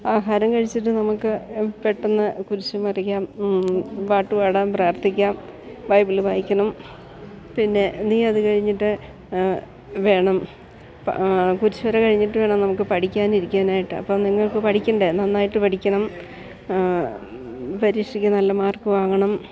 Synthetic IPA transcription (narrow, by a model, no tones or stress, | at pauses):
aːɦaːɾɐmkɐɻit͡ɕːiʈ̬ːɨnɐmukːɨpeʈːunːɐkuɾut͡ɕːumɐrikʲːaːm | ʋaːʈːuʋaːɽaːmpraːrt̪ʰikʲːaːm | bɐjbilɨbʱaːjikʲːɐɳɐm | pinːe̞niːɐðɨkɐɻiɲːiʈːɨ | ʋe̞ːɳɐm | pkuɾut͡ɕːuɐɾekɐɻiɲːiʈːɨʋe̞ːɳɐmnɐmukːɨpɐʈʰikʲːaːniɾikʲːaɐːnaːjiʈːɨɐ̰pːomniŋːɐɭkɨpɐʈʰikʲːuɳɖenɐnːaːjiʈːɨpɐʈʰikʲːɐɳɐm | pɐɾiːʂrikʲːɐnɐlːɐmaːrkɨʋaːŋɐɳɐm